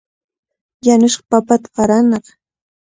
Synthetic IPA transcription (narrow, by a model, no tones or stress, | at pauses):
janʊʃɢɑ̥papat̪ḁqɑɾanɑq